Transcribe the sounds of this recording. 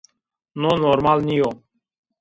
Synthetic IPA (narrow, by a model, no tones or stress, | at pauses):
noːnoːɾmaːlniːjoː